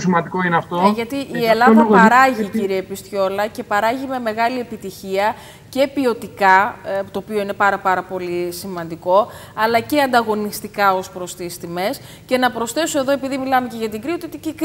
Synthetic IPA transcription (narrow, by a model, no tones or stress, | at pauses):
simɐnd̪iko̞ineɐft̪oʝɐt̪iʔːe̞lɐðɐpɐɾɐʝiciɾiepist̪ço̞lɐce̞pɐɾɐʝime̞me̞ɣɐlie̞pit̪içiɐ | ce̞piot̪ikɐt̪o̞ːpio̞ine̞pɐɾɐpɐɾɐpo̞lisimɐnd̪iko̞ | ɐlɐce̞ɐnd̪ɐɣo̞nist̪ikɐo̞spɾo̞st̪ist̪ime̞s | ce̞nɐpɾo̞sθe̞soe̞ðo̞e̞piðimilɐme̞ce̞ʝɐt̪iɡɾiot̪it̪icik